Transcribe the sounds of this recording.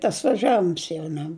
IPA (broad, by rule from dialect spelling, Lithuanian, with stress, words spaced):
tɐs ʋɐˈʒʲæːʋʲɪms jɛʊ ˈnʲɛ